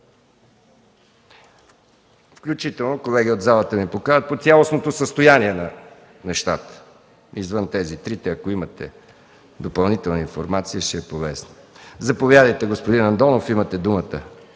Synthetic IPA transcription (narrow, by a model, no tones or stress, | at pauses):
fklʲut͡ʃit̪ɛlˠnokolɛɡʲiod̪zalˠət̪əmipokaɾət̪̚pot̪sʲjalˠosnot̪osəst̪ojaniɛnɐ | nɛʃt̪at̪ə̥ | izvənt̪ɛzit̪ɾit̪ɛɐkoimət̪ɛ̰ | d̪opɐlˠnit̪ɛlˠnəinfoɾmat̪siəʃɛɛpovɛsnəzɐpovʲjad̪əjt̪ɛɡospod̪inɐnd̪ɔnofimət̪ɛd̪umət̪ə